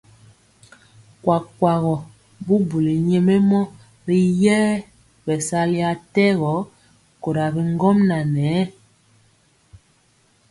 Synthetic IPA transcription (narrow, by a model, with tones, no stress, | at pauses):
kwa˨kwa˨ɣɔ˨ | bu˦bu˨li˨ɲe˦me˦mɔ˦ | ɾi˦jɛː˦ | bɛ˨sa˦li˦a˦tɛ˦ɣɔ˨˦ | ko˨ɾa˨bi˦ŋ˦ɡɔ˦mna˨nɛ˨˦